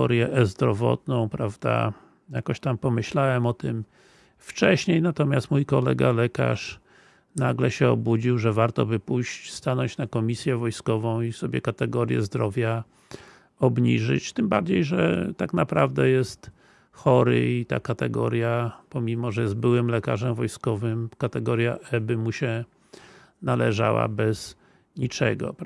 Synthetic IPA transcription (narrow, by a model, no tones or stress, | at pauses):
ɔ̰ɾjɛʔzd̪ɾɔvɔ̰t̪nɔ̃w̃pɾavd̪a̰ | jakɔɕt̪ampɔmɘɕlawɛmɔt̪ɘm | ft͡ʂɛɕɲejnat̪ɔmʲjast̪mujkɔlɛ̰ɡalɛka̰ʂ | naɡlɛɕɛɔ̰bud͡ʑiwʐɛvaɾt̪ɔ̰bɘpujɕt͡ɕst̪anɔɲt͡ɕnakɔmʲisʲjɛvɔjskɔvɔ̃w̃isɔbʲjɛ̰kat̪ɛɡɔɾjɛ̰zd̪ɾɔvʲja | ɔbɲiʐɘ̰t͡ɕt̪ɘmbaɾd͡ʑejʐɛ̰t̪aknapɾavd̪ɛjɛst̪ | xɔɾɘ̰it̪a̰kat̪ɛɡɔ̰ɾʲjapɔmʲimɔʐɛjɛzd̪̚bɘwɘmlɛkaʐɛmvɔjskɔvɘmkat̪ɛɡɔɾjaʔɛbɘmuɕɛ | nalɛʐa̰wa̰bɛz | ɲit͡ʂɛɡɔ̰